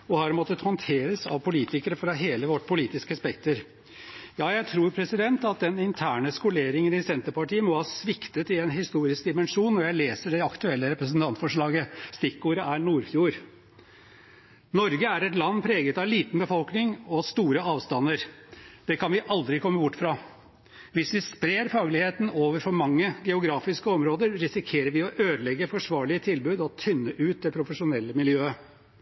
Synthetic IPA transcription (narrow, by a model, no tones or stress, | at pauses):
ɔhɑɾmɔt̪ːət̪hɔnt̪ʰeːɾəsɑ̰ʋpʰʊliːt̪ɪkəɾəfɾɑɦeːləʋɔʈːpʰʊliːt̪ɪskəspɛkt̪əɾ | jɑːjæɪt̪ʰɾuːɾpʰɾɛsɪd̪ɛnt̪ɑt̪̚d̪ɛnɪnt̪ʰæːɳəskʊleːɾɪŋənɪsɛnt̪əɾpɑʈiːəmɔhɑːsʋɪkt̪ət̪ɪɛnɦɪst̪uːɾɪsk̚d̪ɪmɛnʂuːnːɔɾjæɪleːsəɖɛɑkt̪ʉɛlːəɾɛpɾəsn̩t̪ʰɑnt̪fɔʂɭɑːɡəst̪ɪkːuːɾəæɳuːɾfjuːɾ | nɔɾɡəæɾɛt̪lɑnːpʰɾeːɡət̪ɑʋliːt̪n̩bəfɔlknɪŋɔst̪uːɾəɑːʋst̪ɑnːəɾd̪̥ɛkʰɑnʋɪʔɑld̪ɾɪkʰɔmːəbʊʈːfɾɑ | ʋɪsʋɪspɾeːɾfɑːɡlɪheːt̪n̩oːʋəɾfɔɾmɑŋːəɡɛʊɡɾɑːfɪskəɔmɾoːd̪əɾɾɪsɪkʰeːɾəɾʋɪɔʔøːd̪lɛɡːəfɔʂʋɑːɭɪət̪ʰɪlbʉːd̪ɔt̪ʰʏnːəʔʉːt̪̚d̪ɛpʰɾʊfəʂʊnɛlːəmɪljøːə